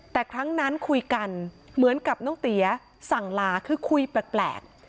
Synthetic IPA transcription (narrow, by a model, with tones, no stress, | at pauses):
t̪ɛː˨˩kʰɾa˦˥ŋna˦˥nkʰu˧jka˧n | mɯ˩˦ənka˨˩p̚nɔː˥˩ŋt̪i˨˩˦ɐ | sa˨˩ŋlaː˧kʰɯː˧kʰu˧jpɾɛ˨˩k̚plɛ̰ː˨˩k̚